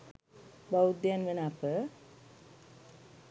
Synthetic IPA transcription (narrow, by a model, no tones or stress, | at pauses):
bawud̪janʋenapə